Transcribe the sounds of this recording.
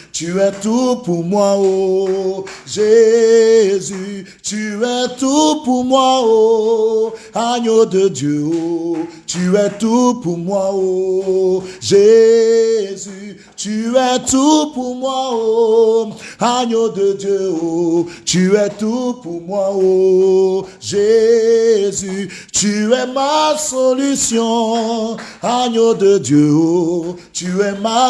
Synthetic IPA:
t͡ʃiɾɛtupumwʷawo | ʒe | zi | t͡ʃiɾɛtupumwao | haɲododjowot͡ʃiɾɛtupumwʷawo | ʒe | zi | t͡ʃiɾɛtupumwawo | haɲododjeot͡ʃiɾɛtupumwawo | ʒezy | t͡ʃiɾɛmasolysjɔ̃ | haɲododjewot͡ʃiɾɛma

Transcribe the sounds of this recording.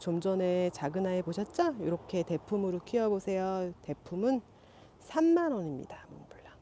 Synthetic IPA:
t͡ɕomd͡ʑʌne̞t͡ɕaɡɯnaepoɕʰʌt̚t͡ɕ͈ʌjiɾʌkʰe̞te̞pʰumɯɾok͈ʰiʌbosʰe̞jʌte̞pʰumɯn | sʰamːanʌɲimɲḭdamonbuɭːa

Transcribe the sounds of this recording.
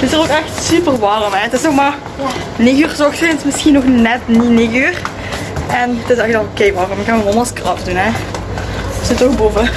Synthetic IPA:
tɪsərokɛxtsypərʋɑːrəmɛətɪsnoxmaːr | neɣyːrzɔxtətɪsmɪsxinɔxnɛtnineɣyːr | ʔɛntɪsɛxədɑnokeːʋɑːrəmkɑnəmɔmɑskrɑpdunɛ | sɪtoxbuvə

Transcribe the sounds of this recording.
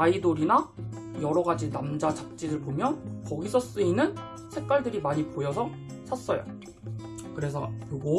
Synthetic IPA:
aidoɾina | jʌɾʌɡad͡ʑinamd͡ʑat͡ɕap̚t͡ɕ͈idɯɭpomjʌnkʌɡisʰʌs͈ɯinːɯn | sʰe̞k̚k͈waɭdɯɾimaɲipojʌsʰʌsʰas͈ʌjo̰ | kɯɾe̞sʰʌkɯɡo

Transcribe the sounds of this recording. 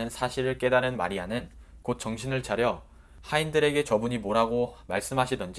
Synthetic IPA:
ɯnsʰaɕʰiɾɯɭk͈e̞daɾɯnma̰ɾianɯn | kot̚t͡ɕ͈ʌŋɕʰinɯɭt͡ɕaɾjʌ | haindɯɾe̞ɡe̞t͡ɕʌbuɲimoɾɦaɡomaɭs͈ɯmɦaɕʰidʌnd͡ʑi

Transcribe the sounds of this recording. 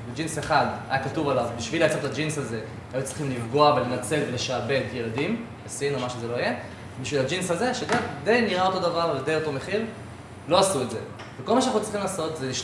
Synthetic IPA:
bed͡ʒinseχad̪a̰jakatuvalavbiʃvileat͡sotad͡ʒinsaze̞ | ajut͡sʁi̥χimlifɡo̞avele̞nat͡se̞lveleʃaːbe̞tje̞ladim | asinomaʃezelo̞ije̞ | biʃvilad͡ʒinsazeʃeɡad̪e̞jniʁao̞to̞davaʁaldejot̪o̞meχil | lo̞asuetze | vekolmaʃeanaχnut͡sʁiχimlaːso̞tzeliʃ

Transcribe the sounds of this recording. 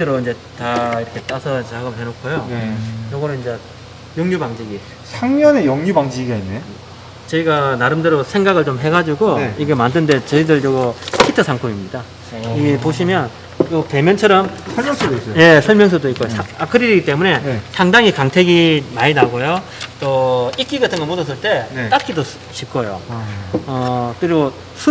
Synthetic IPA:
tʰɯɾoind͡ʑe̞ | taiɾʌkʰe̞t͈asʰʌt͡ɕaɡɯmɦenokʰojojʌɡʌnoind͡ʑe̞ | joŋɲubaŋd͡ʑiɡi | sʰaŋɲʌne̞joŋɲubaŋd͡ʑiɡiɡaine | t͡ɕʌiɡanaɾɯmdɯɾosʰe̞ŋɡaɡɯɭt͡ɕomɦe̞ɡad͡ʑuɡoiɡe̞mandɯnde̞t͡ɕʌidɯɭjʌɡʌkʰitʰɯsʰaŋkʰomimɲida | iɡepoɕʰimjʌn | jope̞mjʌnt͡ɕʰʌɾʌmsʰʌmjʌŋsʰodois͈je̞sʰʌɭmjʌŋsʰʌdoik͈ojoaakʰɯɾiɾiɡit͈e̞mune̞sʰaŋdaŋikaŋtʰeɡimaɲinaɡojo | t͈oik͈iɡatʰɯŋɡʌnmodʌs̬͈ʰɯɭt͈e̞t͈ak͈ido | ɕʰip̚k͈ʰojo̰ | ʌk͈ɯɾɡo | sʰu

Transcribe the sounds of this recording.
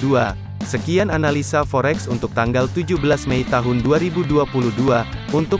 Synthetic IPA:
ua | səkiananalisafoɾɛksunt̪ʊk̚t̪aŋɡalt̪ud͡ʒubəlasmeit̪aɦʊnduaɾibuduapuluhduaunt̪ʊ

